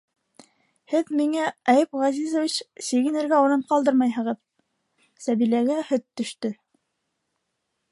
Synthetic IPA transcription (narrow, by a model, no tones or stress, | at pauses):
hɘðmiŋææjɘpʁɑzizovʲit͡ɕsiɣɘ̆nɘ̆ɾɡæuɾɤɴqɑlˠd̪ɤɾmɑjɦɤ̆ʁɤð | sæβilæɡæhɵt̪ːɵ̆ʃt̪ɵ